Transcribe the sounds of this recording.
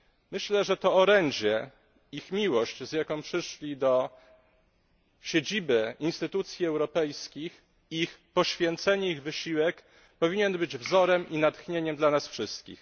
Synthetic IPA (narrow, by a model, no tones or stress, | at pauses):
mɘɕlɛʐɛt̪ɔːɾɛɲd͡ʑɛ | ixmʲiwɔɕt͡ɕzjakɔ̃w̃pʂɘʂlʲid̪ɔ | ɕed͡ʑibɘinst̪ɘt̪ut̪sʲjiɛwɾɔpɛjskʲix | ixpɔɕfʲjɛnt̪sɛɲɛiɣvɘɕiwɛk | pɔvʲiɲɛnbɘd͡ʑvzɔɾɛmʔinat̪xɲeɲɛmd̪lanasfʂɘst̪kʲḭx